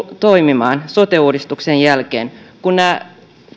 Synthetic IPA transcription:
t̪o̞jmimɑːnso̞t̪euːdist̪uksenjælkḛːnkunːæ

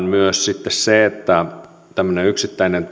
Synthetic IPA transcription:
nmyøssit̪ːesseet̪ːæ | t̪æmːøneyksit̪ːæinen

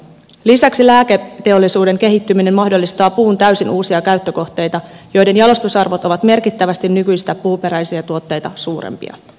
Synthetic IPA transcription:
lisæksilæːket̪ːe̞o̞lːisuːde̞ŋk̟eɦit̪ːymine̞mmɑhdo̞lːist̪ɑːpuːnt̪æɥsinʔuːsiɑkæɥt̪ːøko̞ht̪e̞jt̪ɑjo̞jde̞njɑlo̞st̪usɑrʋo̞t̪o̞ʋɑt̪me̞rkit̪ːæʋæst̪innykyjst̪æpuːpe̞ɾæjsiɑt̪uot̪ːe̞jt̪ɑsuːɾḛmpḭɑ̰

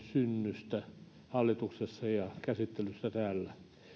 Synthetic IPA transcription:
synːyst̪æ | hɑlːit̪uksesːɑjɑkæsit̪ːelysːæt̪æːlːæ

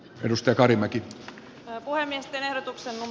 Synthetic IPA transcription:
edust̪ɑjɑkɑrimæki | puhemːiest̪enehdot̪uksennum

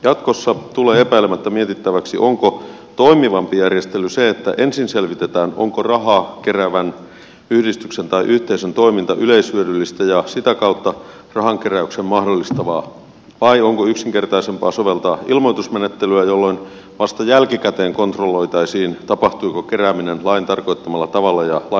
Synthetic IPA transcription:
jɑt̪kosːɑt̪uleːepæilemæt̪ːæmiet̪it̪ːæʋæksḭʔoŋkot̪o̞imiʋɑmpijærjest̪elyseet̪ːæʔensinse̞lʋit̪et̪æːno̰ŋkorɑɦɑkeræʋæn | yhdist̪yksent̪ɑiʔyht̪eisent̪o̞imint̪ɑʔyleishyødylːist̪æjɑsit̪ækɑut̪ːɑ | rɑhɑŋkeræyksemmɑhdolːist̪ɑʋɑː | ʋɑioŋkoyksiŋkert̪ɑisempɑːsoʋelt̪ɑːilmoit̪usmenet̪ːelyæjolːoin | ʋɑst̪ɑjælkikæt̪eːŋko̞nt̪rolːo̞it̪ɑisiːnt̪ɑpɑht̪uikokeræːminenlɑint̪ɑrko̞it̪ːɑmɑlːɑt̪ɑʋɑlːɑjɑlɑ

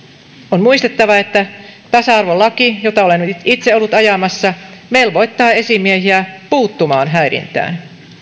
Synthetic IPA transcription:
onmuist̪et̪ːɑʋɑe̞t̪ːæt̪ɑsɑɑrʋolːɑkijot̪ɑolenit̪seo̞lːut̪ɑjɑmɑsːɑme̞ilʋo̞jt̪ːɑːe̞simiehiæpuːt̪ːumɑːnɦæiɾḭnt̪æ̰ːn

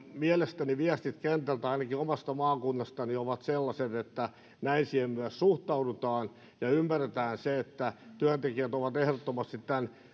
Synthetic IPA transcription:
miælest̪æniʋiæst̪it̪kent̪ælt̪æɑinɑkiomɑst̪ɑmɑːkunːɑst̪ɑnioʋɑt̪selːɑset̪et̪ːæ | næinsiːhemmyæssuht̪ɑudut̪ɑːn | jɑymːæret̪æːnseet̪ːæt̪yænt̪ekiæt̪oʋɑt̪ehrot̪ːomɑst̪it̪t̪æn

